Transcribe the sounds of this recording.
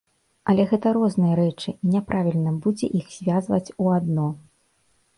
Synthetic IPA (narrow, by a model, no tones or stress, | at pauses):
ɐlʲɛɣɛt̪ɐɾɔznɨjɐɾɛt͡ʂɨnʲɛpɾʔavʲilʲnɐbud͡zʲɛ̰ʔixz̥ʲvʲazvɐ̰t͡sʲuad̪nɔ